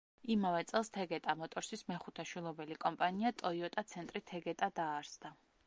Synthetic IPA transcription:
imavɛt̪sʼɛlˠst̪ʰɛɡɛt̪ʼamɔt̪ʼɔɾsismɛχut̪ʰɛʃwilˠɔbɛlikʼɔmpʼaniat̪ʼɔiɔt̪ʼat̪sʰɛnt̪ʼɾit̪ʰɛɡɛt̪ʼad̪aːɾsd̪a

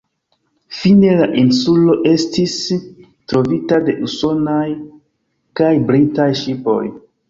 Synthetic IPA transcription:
fine̞laʔinsulo̞ʔe̞stis | tɾo̞vitade̞ʔuso̞naj | kajbɾitajʃipo̞̰j

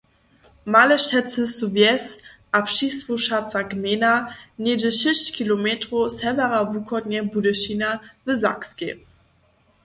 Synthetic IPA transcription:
malɛʃɛtt͡səsuvjɛsʔapʃisvuʃat̪t͡saɡmenanedəɕɪɕkʰilomɛtʁosɛvɛʁavukʰɔdɲɛbudəʃinavəza̰kske

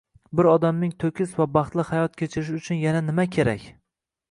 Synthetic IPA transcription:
bɪɾɒd̪amnɪŋt̪ʰɵkʲʰɪsvabɑχt̪lˠɪhajɒt̪̚kʲʰet͡ʃʰɪɾɪʃ̬ʊt͡ʃʰʊnjananɪmakʲʰe̞ɾa̰kʲ

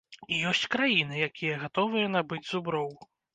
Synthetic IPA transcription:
ijɔsʲt͡sʲkɾajinɨjakʲijɐɣat̪ɔvɨjɐnabɨd͡zʲzubɾɔw

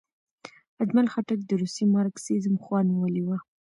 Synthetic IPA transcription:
ad͡ʒmalxaʈak̚d̪əɾusimɑɾksizəmxwɑniwəliwa

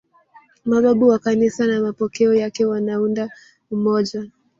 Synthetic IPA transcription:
maɓaɓuwakanisanamapɔkɛɔjakɛwanaunda | umɔʄa

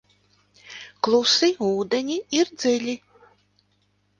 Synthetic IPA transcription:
klˠusiuːd̪enʲiiɾd̪zilʲi

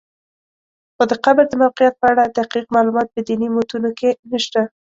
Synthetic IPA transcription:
xod̪əqabəɾd̪əmawqɪjat̪̚pəaɽad̪ahqiqmɑlumɑt̪̚pəd̪inimot̪unokenəʃt̪a

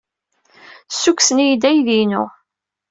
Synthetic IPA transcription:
sːukːsənijd̪æjðinʊ̰

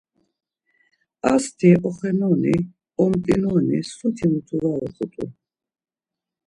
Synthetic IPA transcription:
ast̪ʰiʔɔχɛnɔni | ɔmt̪ʼinɔːnisut̪ʰimut̪ʰuvaɔχʰʼut̪ʼṵ

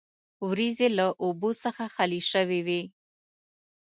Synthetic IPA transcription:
wɾizelaʔobosəxaxaliʃəwiwi

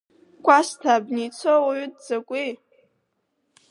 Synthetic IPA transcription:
kʷʼastʰaːbnit͡sʰowaɥut̚ʰʼd͡zakʷʼi

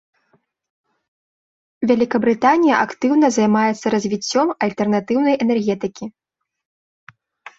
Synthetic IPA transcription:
vʲalʲikɐbɾɨt̪anʲijɐʔakt̪ɨwn̪ɐzɐjmajɛt̪sːɐɾɐzʲvʲit͡sʲːɔmɐlʲt̪ɛrnat̪ɨwn̪ɐjʔɛnɛrɣʲɛt̪ɨkʲi

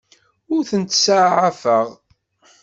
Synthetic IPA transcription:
ʊɾθənt̪saʕʕafəʁ

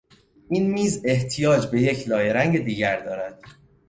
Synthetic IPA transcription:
inmiːze̞ht̪ʰijɒːd͡ʒbe̞je̞cʰlɒːjeɾæŋɟed̪iːɟæɾd̪ɒːɾæd̪̥̚

